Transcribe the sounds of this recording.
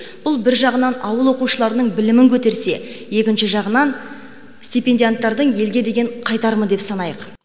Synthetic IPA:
b̥ʊlˠbɪɾʒɑʁənɑnɑwəlˠwo̞quʃəlˠɑɾənəɴbɪlɪmɪŋkʲʰɵt̪e̞ɾse̞je̞kʲɪnʃɪʒɑʁənɑn | sʲt̪ʲijpʲe̞nd̪ʲijant̪ːɑɾd̪əɴje̞lɡʲe̞d̪e̞ɡʲe̞ɴqʰɑjt̪ɑɾməd̪e̞psɑnɑjəq

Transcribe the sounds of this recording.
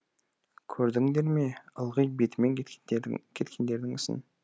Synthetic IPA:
kʲʰɵɾd̪ɪŋd̪e̞ɾme̞əlˠʁəjbe̞t̪ɪme̞ŋ | kʲʰe̞t̪kʲʰe̞nd̪e̞ɾd̪ɪŋʏsɪ̰n

